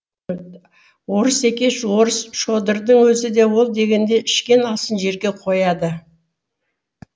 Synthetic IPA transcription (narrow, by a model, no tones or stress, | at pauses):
wo̞ɾəse̞kʲe̞ʃwo̞ɾəsʃo̞d̪əɾd̪əɴwɵzɪd̪e̞wo̞lˠd̪e̞ɡʲe̞nd̪e̞ɪʃkʲe̞nɑsənʒe̞ɾɡʲe̞qʰo̞jɑd̪ə